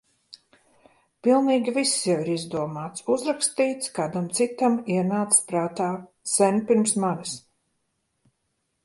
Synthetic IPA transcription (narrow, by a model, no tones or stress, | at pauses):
pilˠniːɡʲivisːjawiɾizd̪uɔmaːt̪suzɾakst̪iːt̪skaːd̪amt̪sit̪amiɛnaːt̪spɾaːt̪aː | sɛnʲpiɾmsmanis